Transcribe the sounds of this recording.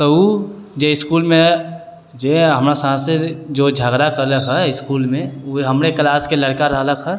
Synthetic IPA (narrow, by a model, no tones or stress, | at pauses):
t̪ɔud͡ʒeɪskuːlmẽ | d͡ʒeɦəmɾasãːsed͡ʒod͡ʒʱaːɡɾakəɾləkɦɛɪskuːlmẽuɦəmɾeklaːskeləɽkaɾəɦləkʰɦɛ